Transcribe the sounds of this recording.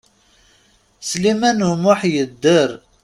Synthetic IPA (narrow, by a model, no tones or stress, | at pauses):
slimænumʊħjəd̪ːəɾ